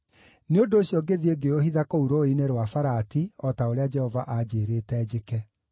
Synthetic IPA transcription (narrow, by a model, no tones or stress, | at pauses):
neondoːɕjɔɡeðieɡeohiðakouɾoineɾwafaɾatiɔtaoɾead͡ʒɛhɔvaʔad͡ʑeːɾetɛd͡ʑekɛ